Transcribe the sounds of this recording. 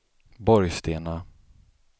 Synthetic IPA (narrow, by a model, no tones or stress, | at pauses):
bɔɾjst̪eːna